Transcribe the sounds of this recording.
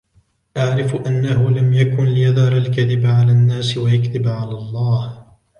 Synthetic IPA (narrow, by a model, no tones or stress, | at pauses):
ʔaʕɾɪfʔanːahʊlamjakʊnlɪjaðhɑɾˤalkaðɪbʕalaːnːaːsɪwajakðɪbʕalaːlˤːɑːh